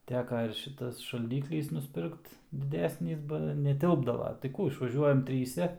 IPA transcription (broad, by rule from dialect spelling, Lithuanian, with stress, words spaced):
ˈtʲæːkɐ ɪr ˈʃʲɪtɐs ʃɐlʲˈdʲiːklʲɪs nʊsʲˈpʲɪrkt dʲɪˈdʲæːsʲnʲɪs ˈbɐ nʲɛˈtʲɪlˠbdɐʋɐ tɐɪ ˈkuː ɪʃʋɐˈʒʲuɔjɛm ˈtʲrʲiːsʲɛ